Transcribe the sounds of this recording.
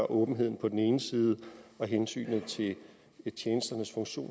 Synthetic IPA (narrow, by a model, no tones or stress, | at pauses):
ɑʔɔ̽ːb̥n̩ɦe̝ð̞̰ˠn̩pʰɒ̽d̥en̩e̝ːnəsiːð̞ˠəɒ̽ɦensy̰ːnð̩ˠt͡sʰe̝l | t͡ɕʰjeːnəsd̥ɐnəsfɔ̽ŋɕo̝̰ː